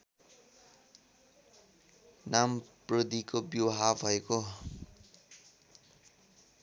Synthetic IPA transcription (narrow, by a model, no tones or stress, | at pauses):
namprʌd̪ikobjowɦabʱʌeko